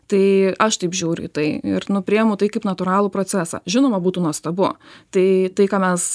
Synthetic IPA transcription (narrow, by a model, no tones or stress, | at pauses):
t̪ɐɪɐʃt̪ɐɪpʒʲuːɾʲʊ̰ḭt̪ɐɪɪ̰ɾnʊpʲɾʲɪɛmʊt̪ɐɪkɐɪpnɐt̪ʊɾɑːlˠuːpɾot͡s̪ʲæsɑ̰ːʒʲɪnoːmɐbuːt̪uːnuɔst̪ɐbʊ̰t̪ɐɪt̪ɐɪkɑːmʲɛs